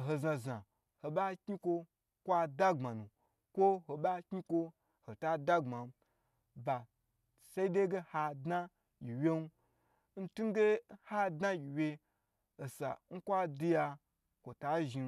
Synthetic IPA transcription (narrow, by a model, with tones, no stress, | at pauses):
ɦo˧zã˧za˨ | ho˨ɓa˦kʲɲi˦kʷo˧ | kʷa˦da˦ŋ͡ma˨nu˨ | kʷo˦ho˨ɓa˦kʲɲi˦kʷo˧ | ho˨ta˦da˦ŋ͡ma˨m˦ | ba˨ | sa˦i˦de˦ɡe˦ha˧dna˦ | jʲi˨wʲe˦nu˦ | n̩˦tu˦n˦ɡe˦ha˦dna˦ji˨wʲe˧ | o˨sa̰˨ŋ̩˦kʷa˦di˧ja˧ | kʷo˨ta˦ʒi˧